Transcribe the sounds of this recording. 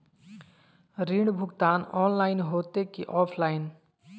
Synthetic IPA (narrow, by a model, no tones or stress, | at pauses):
ɾiɽbʱʊɡt̪aːnɔːnlaːɪnɦoːt̪ekiʔɔːpʰlaːɪn